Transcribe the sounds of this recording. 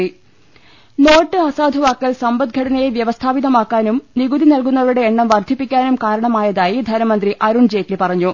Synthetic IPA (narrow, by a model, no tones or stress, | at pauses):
i | no̞ːʈːɨɐsaːd̪ʱuʋaːkːɐlsɐmbɐd̪̚ɡʱɐɽɐnɐjeʋjɐʋɐst̪ʰaːʋiðɐmaːkːaːnumniɣud̪inɐlk̬unːɐʋɐɾuɽe̞ːɳːɐmʋɐrd̪ʱipːikʲːaːnumkaːɾɐɳɐmaːjɐðaːjid̪ʱɐnɐmɐnd̪riʔɐɾuɳd͡ʑeːtːilpɐrɐɲːu